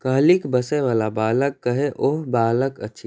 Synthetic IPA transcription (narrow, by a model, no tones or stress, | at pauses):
kəɦlikbəseʋaːlabaːləkːəɦeʔoɦbaːləkətːʃʰi